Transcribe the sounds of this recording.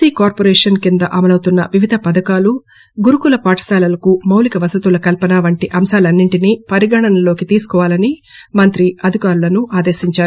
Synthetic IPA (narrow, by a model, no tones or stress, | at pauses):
iːkaːɾpoɾɛːʂɐnkind̪ɐʔɐmɐlɐwt̪unːɐʋiʋid̪ʱɐpɐd̪ɐkaːlu | ɡuɾukulɐpaːʈʰɐ̥saːlɐlɐkumɐwlikɐʋɐsɐt̪ulɐkɐlpɐnaːʋɐɳʈiʔɐmʃaːlɐnːiɳʈinipɐɾiɡaːɳɐnɐlo̞ːkit̪iːsu̥kɔːʋaːlɐni | mɐnt̪ɾiɐd̪ʱikaːɾulɐnuʔaːd̪eːʃiɲt͡ʃaːɾu